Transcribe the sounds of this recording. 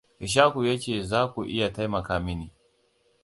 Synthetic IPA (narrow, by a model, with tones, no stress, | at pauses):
ʔɪ˨ʃ̬aː˦ku˨jaː˦t͡ʃeː˦˨zaː˦kʷu˨ʔɪ˦ja˨ta˦jmɐ˨kaː˨˦mɪ˦ni˨